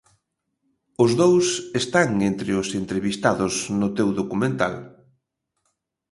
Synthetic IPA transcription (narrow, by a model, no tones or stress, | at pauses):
ʊzðowsest̪aŋent̪ɾɪʊsent̪ɾeβist̪aðʊsnʊt̪ewðokumẽnt̪a̰l